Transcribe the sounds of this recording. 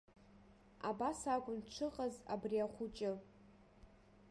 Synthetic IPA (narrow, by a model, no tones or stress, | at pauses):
a̰basakʷʼʊnʈ͡ʂʷʰɨqʼaza̰briaχʷʊt͡ʃʼɪ